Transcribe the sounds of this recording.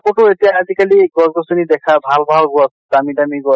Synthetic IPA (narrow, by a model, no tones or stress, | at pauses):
koʈʊetijaːzikaliɡɔzɡɔsunid̪ɛkʰabʱalbʱalɡɔsdamidamiɡɔ